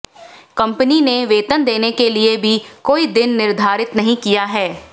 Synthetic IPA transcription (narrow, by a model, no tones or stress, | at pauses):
kɐ̃mpənineʋeːt̪ənd̪eːnekeliebʱikoːid̪ɪnːɪɾd̪ʱaːɾɪt̪nɐɦĩkijaɦɛː